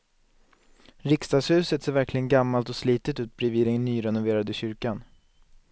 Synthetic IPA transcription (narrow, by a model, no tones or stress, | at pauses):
ɾɪkst̪ɑːɡshʉ̟ːsət̪seːɾvæɾklɪɡənɡamːalt̪ɔsliːt̪ət̪ʉ̟ːt̪̚bɾɪviːd̪ɛnːyːɾɛnʊveːɾad̪əɕʏɾkan